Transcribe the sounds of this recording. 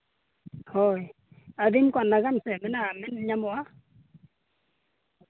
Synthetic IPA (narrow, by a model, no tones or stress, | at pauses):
hoj | aðimkwanːaɣansɛmɛnamɛnɲamɔa